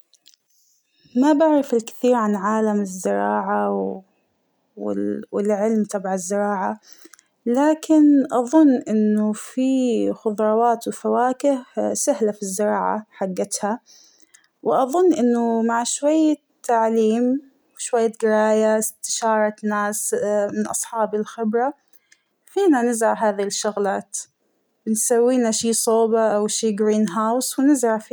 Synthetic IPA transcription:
mabaʕɾˤɪfɪlkɪ̥θiːɾʕanʕaːlamɪzːɪɾˤɑːʕa | wɪlʕɪlmt̪ˤʰɑbʕaɪzːɪɾˤɑːʕa | laːkɪnʔɑðˤʊnːʔɪnːʊfixʊðˤɾˤɑwaːt̪wɪfawaːkɪhsahlafizːɪɾˤɑ̰ːʕa̰ħaɡːat̪ha | wʔɑðˤʊnːʔɪnːʊmaʕʃwajːa | t̪ːaʕliːm | wʃwajːaɡɪɾɑːjast̪ɪ̥ʃɑːɾˤɑnaːsmɪnʔɑ̰sˤħɑːbɪlxɪbɾa | fiːnanɪzɾaɦaːðiʃːʊɣlaːt̪ | b̥ɪnsawːiːnaʃiːsˤoːbaʔawʃiːɡɾiːnɦawswɪnɪzɾaf

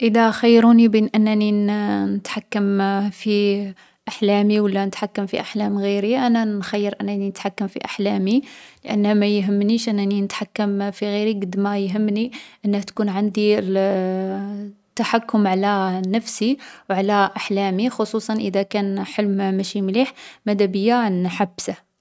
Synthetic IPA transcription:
ʔəd̪æxajːɾunibinʔənːæninnət̪ħakːəmfi | ʔaħlæmiwəlːænət̪ħakːəmfḭʔaħlæmɣiɾiʔænænxajːəɾʔənːæninət̪ħakːəmfḭʔaħlæmiləʔə̰nːhæmæjɦəmːniʃʔənːæninət̪ħakːəmfiɣiɾiɡəd̪mæjɦəmːniʔənːəht̪kunʕand̪il | t̪ːaħakːʊmʕalænəfsiwʕalæʔaħlæmixosˤusˤɑnʔəd̪ækænħəlmmæʃimliħmæd̪æbəjːanħabːsa

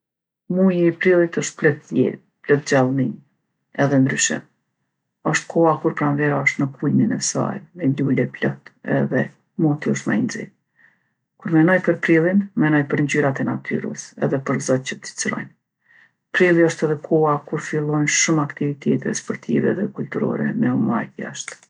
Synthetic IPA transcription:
mujiːpɾilˠit̪əʃt̪̚plɔt̪ɛ̰ | plɔt̪̚d͡ʒalˠmin | ɛðɛnd̪ɾyʃɛ̰m | ɔʃt̪̚kʰɔakuɾpɾanvɛɾaɔʃt̪nəkʰulminɛsa̰jmɛlulɛplɔt̪ɛ̰ðɛ | mɔt̪iɔʃt̪ma̰jnzḭ | kuɾmɛnɔjpəɾpɾilˠinmɛnɔjpəɾɲd͡ʑyɾat̪ɛnat̪ʰy̰ɾə̰sɛ̰ðɛpəɾzɔt̪̚t͡ɕət̪d̪i̥t͡sɾɔ̰jn | pɾilˠiɔʃt̪ɛðɛkʰɔakuɾfilˠɔjnʃumakt̪ivit̪ʰɛt̪ɛ̰spɔɾt̪ʰḭvɛ̰ðɛkult̪uɾɔ̰ɾɛ̰mɛɔma̰jt̪ja̰ʃt̪

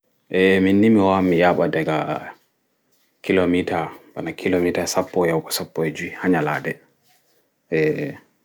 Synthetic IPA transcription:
ʔɛminːimiwamijaɓadɛɡa | kilomitabanakʰilomitasapːɔjawkɔsapːɔd͡ʒihaɲaladɛ | ʔɛ

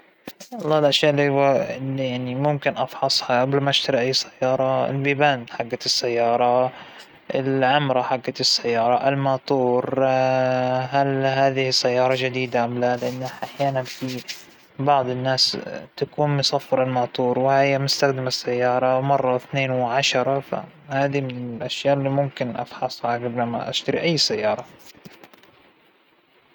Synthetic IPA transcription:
wɑlˤːɑːɪlʔaʃjaːʔɪlːihʊwaljaʕnimʊmkɪnʔɑfħɑsˤhɑʔablmaʔaʃt̪aɾiʔajːsḁjːɑːɾˤɑɪ̰lbiːbaːnħaɡːat̪ɪsːajːɑːɾˤɑ | ʔɪlʕʊmɾˤɑħaɡːat̪ɪsːajːɑːɾˤɑʔɪlmɑːt̪ˤuːɾ | ɦalhaːðɪhɪsːajːɑːɾˤɑd͡ʒɪd̪iːd̪aʔamlalɪʔanːaʔaħjaːnanfi | bɑʕd̪ˤɪnːaːst̪akuːnmʊsˤɑfːɪɾˤɪlmɑːt̪ˤuːɾwɪhajːamʊst̪axd̪ɪmasːajːɑːɾˤɑmɑrˤːɑθneːnwʕaʃɑɾˤɑfa̰haːðimɪnɪlʔaʃjaːʔɪlːiːmʊmkɪnʔa̰fħɑsˤʕaɡɪblamːa̰ʔa̰ʃt̪aɾiʔajːsajːɑːɾˤɑ

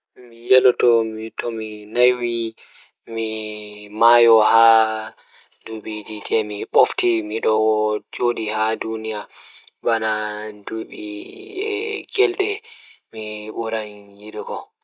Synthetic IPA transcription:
mijɛlɔtɔmitɔminajwi | mimajɔha | duɓiditʰɛmiɓoftimiɗɔwɔd͡ʒodihadunijabanaduɓḭɛ̰ɡɛlɗɛmiɓuɾanjiɗuɡɔ

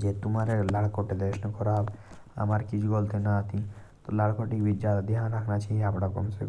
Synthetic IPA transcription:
d͡ʒet̪umaɾelaɽkoʈed̪eʃnɔkɔɾab | a̰maɾkit͡ʃʰuɡolt̪enaat̪ʰi | t̪olaɽkoʈikbʱidd͡ʒad̪ad̪eɦanɾakʰnat͡ʃʰiapɽakɔ̰msḛ

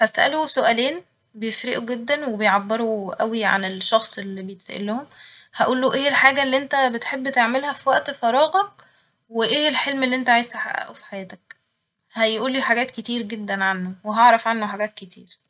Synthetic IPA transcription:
hæsʔæ̰lusoʔæleːn | bejefɾḛʔuɡed̪ːænwebejʕabːeɾuʔæwiʕa̰nelʃːɑxsˤelːibejet̪sæ̰ʔḛlːohomhæʔuːlːoːʔeːʔelħaːɡælːiʔent̪æbet̪ħebːt̪eʕmelhæfiwæʔt̪fɑɾˤɑːɣɑk̚ | weʔeːhelħelmelːiʔent̪æʕajezt̪eħa̰ʔæ̰ʔufi̥ħajæːt̪æk̚ | hæjʔuːlːiːħaɡæːt̪ket̪iːɾɡed̪ːænʕanːoweɦɑʕɾˤɑfʕanːoħaɡæːt̪̚ket̪ḭːɾ

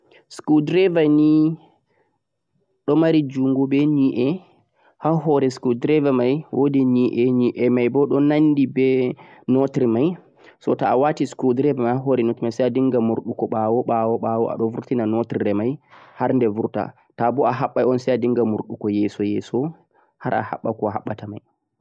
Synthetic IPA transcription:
skudɾɛvani | ɗɔmaɾid͡ʒuŋɡɔbɛɲiʔɛ | haɦɔɾɛskudɾɛvamajwʔodiniʔɛniʔɛmajbɔɗɔnandibɛnɔtɾimaj | sɔtaːwatiskudɾɛvɛmajhaɦɔɾɛnotimajsajadiŋɡamuɾɗukɔɓawɔɓawɔɓawɔa̰ɗɔvuɾtinanɔtɾiɾɛmajhaɾndɛvuɾta̰ | tabɔaɦaɓːajɔnsɛjadiŋɡamuɾɗukɔjɛːsɔjɛsɔ | haɾʔa̰ha̰ɓːakɔɦaɓːatamaj

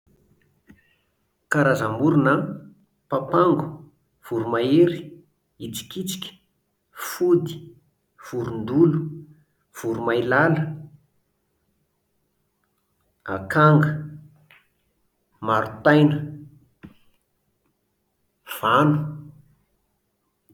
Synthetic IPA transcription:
kaɾazambuɾunə | papaŋɡu̥ | v̥uɾumaeɾi̥ | it͡si̥kit͡si̥kʲə̥ | fud̪i̥ | v̥uɾund̪ulu | v̥uɾumajlalə | a̰kaŋɡə | maɾut̪ajnə | v̥anu̥

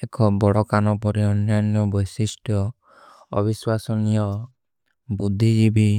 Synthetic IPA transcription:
ekʰɔbɔɽɔkanɔpɔɾiɔnjanjɔbɔjsisʈjɔ | ɔ̰biswasɔnijɔ | bud̪ʱːid͡ʒibi

